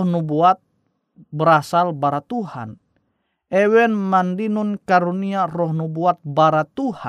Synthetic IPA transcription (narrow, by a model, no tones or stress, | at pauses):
hnubuat̪̚ | bəɾasalbaɾat̪uha̰n | ɛwɛnmandinunkaɾuniarɔhnubuat̪̚baɾat̪uha